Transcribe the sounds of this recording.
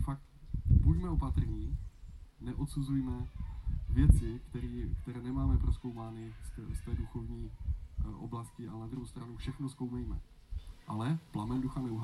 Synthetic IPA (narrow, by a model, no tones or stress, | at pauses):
fak̚t̪pucmɛo̞pat̪r̩ɲiː | nɛʔot̪suzujmɛ | vjɛt͡sɪkt̪ɛɾiːkt̪ɛɾɛːnɛmaːmɛpɾosko̞wmaːnɪst̪ɛst̪ɛːduxo̞vɲiːʔo̰blascɪalɛnad̪ɾuhɦowst̪ɾanufʃɛxnoskowmɛjmɛ | ʔalɛplamɛnduxanɛuɦ